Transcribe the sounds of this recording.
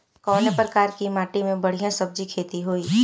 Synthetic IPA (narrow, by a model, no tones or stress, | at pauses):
kɔːnepɾəkaːɾkimaːʈimẽbɐɽ̤ijãsɐb̚d͡ʒikʰeːt̪iɦoːiː